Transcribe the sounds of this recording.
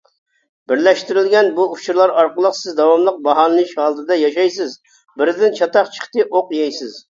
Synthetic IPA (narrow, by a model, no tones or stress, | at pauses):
b̥ɪɾlɛʃt̪ɪɾɪlɡʲɛnbuut͡ʃʰuɾlˠɑɾɑɾqəlˠəqsɪzd̪ɑwɑmlˠəq̚bɑɦɑnɨɨʃhɑlˠət̪ʰɨd̪ɑjɑʃɑjsɪz | bɪɾd̪ɪnt͡ʃʰɑt̪ɑqt͡ʃʰə̥χt̪ɨʔoqjɑjsɪz